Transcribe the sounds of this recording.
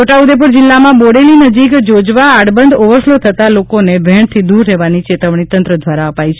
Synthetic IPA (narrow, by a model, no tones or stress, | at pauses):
oʈaud̪ep̬uɾd͡ʒɪlːamãboɽelinəd͡ʒikd͡ʒod͡ʒʋaːɽbənd̪oʋəɾslot̪ʰət̪alokonebʱɛɳt̪ʰid̪uɾːeʋanit͡ʃet̪əʋɳ̃it̪ənt̪ɾəd̪ʱʋaɾaəpait͡ʃʰ